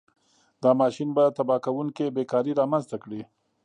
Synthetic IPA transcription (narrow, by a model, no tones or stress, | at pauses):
d̪ɑmɑʃinbat̪abɑkawuŋkebekɑɾiɾɑmanzt̪akɽi